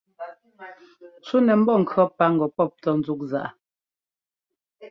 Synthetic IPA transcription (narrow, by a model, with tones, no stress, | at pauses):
t͡su˦nɛ˨m̩˦bɔ˦˨ŋ̩˨kʰɰɔ˦pa˦ŋ̩˨ɡɔ˨pɔ˦˨p̚tɔ˦n̩˦zu˦k̚za̰˨ʔa˨